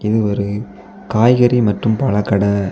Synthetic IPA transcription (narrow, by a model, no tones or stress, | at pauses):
ɪðɯɔɾɯ | kaːjɣɐɾimɐʈrɯmpɐɭɐkːɐɽɐ